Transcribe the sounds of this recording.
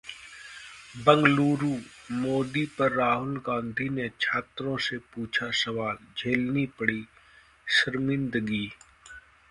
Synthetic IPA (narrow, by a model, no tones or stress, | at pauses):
bɐ̃ŋɡluːɾuːmoːd̪ipɐɾːaːɦʊlɡãːnd̪ʱinet͡ʃʰaːt̪ɾõsepuːt͡ʃʰasɐʋaːld͡ʒʱeːlnipəɽi | ʃəɾmɪ̃nd̪ɡiː